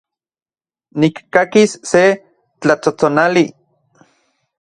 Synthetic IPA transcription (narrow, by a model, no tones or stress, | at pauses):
nikːakisːe | t͡ɬat͡sot͡sonali